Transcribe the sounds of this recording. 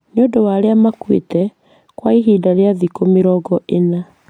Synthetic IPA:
neondowaɾeamakwḛtɛ | kwaiɦiːdaɾeaðikomeɾɔɡɔʔena

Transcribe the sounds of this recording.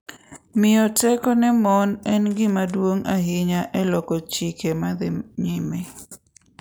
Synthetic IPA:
mɪɔtɛkɔnɛmɔnɛnɡɪmadwoŋaɦɪɲaʔɛlɔkɔt͡ʃikemad̪ɪɲɪme

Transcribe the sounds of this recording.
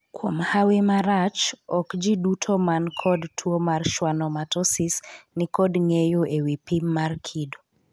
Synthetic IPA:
kwomhawɪmaɾat͡ʃɔkd͡ʒidutʰomankʰɔdtʰwomarʃwanɔmatɔsisnɪkɔdŋejoewipimːarkʰido

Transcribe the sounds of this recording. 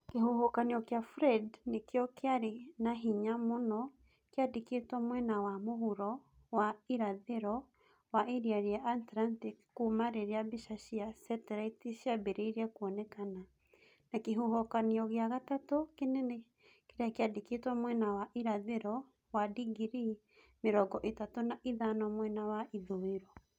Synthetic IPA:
keɦuhɔkaneɔkjafɾɛdnekjɔkeaɾenaɦiɲamonɔ | keadeketɔmwɛnawamohuɾɔ | waiɾaðeɾɔ | waʔeɾiaɾeaʔantɾantikːumaɾeɾeabiʃaʃiasɛtɛɾaitiɕiabeɾeiɾeakuɔnɛkana | nakeɦuɦɔkaniɔɣeaɣatatokenene | keɾeakeadiketwamwɛnawaʔiɾaðeɾɔ | wadiɡiɾi | meɾɔɡɔʔetatonaʔiðanɔmwɛnawaʔiðoeɾɔ

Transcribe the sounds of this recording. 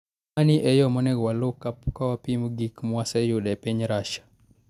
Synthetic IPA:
aniʔɛjɔmɔnɛɡwalokapkawapimuɡikmwasɛjudɛpeɲɾaʃḁ

